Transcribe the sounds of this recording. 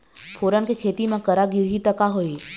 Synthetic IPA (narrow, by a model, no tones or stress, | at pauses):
fʰoɾənkekʰet̪imãkəɾaɡiɾɦit̪əkaɦoi